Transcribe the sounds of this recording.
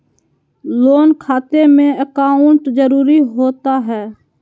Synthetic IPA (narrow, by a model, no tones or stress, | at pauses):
loːnkʰaːt̪emẽəkaːʊ̃ɳʈd͡ʒəɾuːɾiɦoːt̪aɦɛː